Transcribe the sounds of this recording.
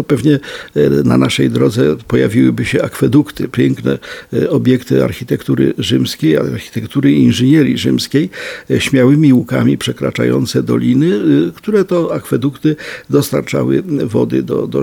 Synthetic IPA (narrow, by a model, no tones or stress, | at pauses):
ɔpɛvɲɛna̰naʂɛjd̪ɾɔd̪zɛpɔja̰vʲiwɘbɘɕɛakfɛd̪ukt̪ɘpʲjɛŋknɛ̰ɔbʲjɛkt̪ɘ̰a̰ɾxʲit̪ɛkt̪uɾɘ̰ʐɘmskʲejaɾxʲi̥t̪ɛkt̪uɾɘinʐɘɲɛɾʲiʐɘmskʲejɕmʲjawɘmʲiukamʲipʂɛkɾa̰t͡ʂajɔ̰n̪t̪sɛd̪ɔlʲinɘkt̪uɾɛt̪ɔakfɛd̪ukt̪ɘd̪ɔst̪aɾt͡ʂa̰wɘ̰vɔd̪ɘ̰d̪ɔ̰d̪ɔ